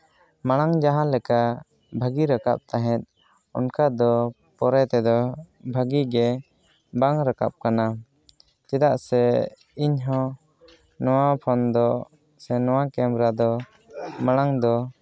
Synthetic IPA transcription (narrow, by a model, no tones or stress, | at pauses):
maɽ̃aŋd͡ʒaɦãlɛka | bʱaɡiɾaka̰p̚t̪aɦɛ̃t̪̚ | ɔnkad̪ɔ | pɔɾɛt̪ɛd̪ɔbʱaɡiɡɛ | baŋɾaka̰p̚kana | t̪ɛd̪aʔsɛ | iɲɦɔ̃ | nɔwapʰɔnd̪ɔ | sɛnɔwakɛmɾad̪ɔ | maɽ̃aŋd̪ɔ